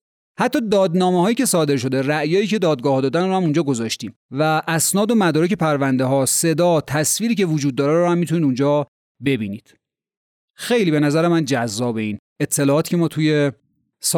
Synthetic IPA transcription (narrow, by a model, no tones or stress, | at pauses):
hæt̪ʰːɒːd̪ɒːd̪nɒːmeɦɒːjiːcʰe̞sɒːd̪e̞ɾʃ̬o̞d̪e̞ræʔjɒːjiːcʰe̞d̪ɒːd̪̚ɡɒːhɒːd̪ɒːd̪ænrohæmund͡ʒɒːɡo̞zɒːʃt̪iːm | væʔæsnɒːd̪o̞mæd̪ɒːɾece̞pʰæɾvænd̪eɦɒːse̞d̪ɒːt̪ʰæsviːɾiːcʰevod͡ʒuːd̪̚ːɒːɾæeɾɔhæmːit̪ʰuniːd̪und͡ʒɒː | be̞biːnḭːd̪̥ | xe̞jliːbe̞næzæɾemænd͡ʒæzːɒːbe̞iːn | et̪ʰːe̞lɒːt̪i̥cʰemɒːt̪ʰuje̞ | s